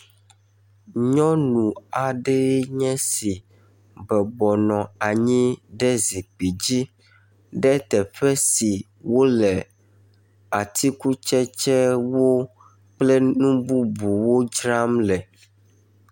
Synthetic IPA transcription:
ɲɔ̃˦nũ˨a˨ɖɛ˦ɲɛ̃˦si˨ | bɛ˨bɔ˨nɔ̃˨a˨ɲĩ˦ɖɛ˦zi˨k͡pi˨d͡ʑi˦ | ɖɛ˦t̪ɛ˨ɸɛ˦si˨ | wo˦lɛ˨ | a˨t̪i˦ku˦t͡ʃɛ˦t͡ʃɛ˦wo˦ | k͡plɛ˦nũ˦bu˦bu˨wo˦d͡ʒɾa˦mlɛ˨

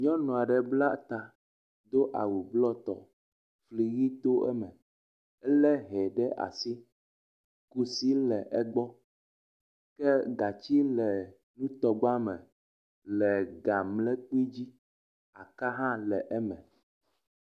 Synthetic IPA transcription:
ɲɔ̃˦nɔ̃˨a˨ɖɛ˨bla˦t̪a˨ | d̪o˦ʔa̰˨wu˨blɔ˦t̪ɔ̰˨ | fli˨ɣi˦t̪o˦ʔɛ˦mɛ̃˨ | ɛ˦lɛ˦ɦɛ˨ɖɛ˦ʔa̰˨si˦ | ku˦si˦lɛ˨ʔɛ˦ɡ͡bɔ˦ | kɛ˦ɡa˨t͡ɕi˦lɛ˨ | nũ˦t̪ɔ˨ɡ͡ba˦mɛ̃˨ | lɛ˨ɡa˨mlɛ˦k͡pi˦d͡ʑi˦ | a˨ka˦ɦã˦lɛ˨ʔɛ˦mɛ̃˨

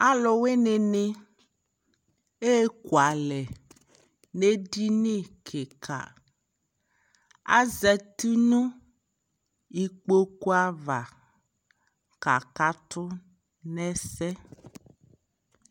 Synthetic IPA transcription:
a˦lɔ˨we˦ne˨ne˦ | e˦ku˨a˨lɛ˨ | ne˦ɖi˦ne˦kʰe˨kʰa̰˨ | a̰˦zɛ˨t̪u˦nũ˦ | i˨k͡po˦ku˦a˦va˨ | ka˨ka˨t̪ʊ˦ | nɛ̃˦sɛ˦

